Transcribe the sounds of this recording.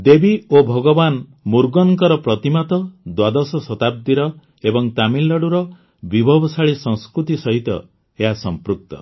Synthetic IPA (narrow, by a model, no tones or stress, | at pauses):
d̪ebiobʱɔɡɔbanmuɾɡɔŋŋkɔɾɔpɾɔt̪imat̪ɔd̪wad̪ɔsɔsɔt̪ab̚d̪iɾɔ | ebɔŋt̪amilːɔɽuɾɔ | bibʱɔbɔsaɭisɔ̃ŋskɾut̪isɔɦit̪ɔ̰ | eɦasɔmpɾuk̚t̪ɔ̰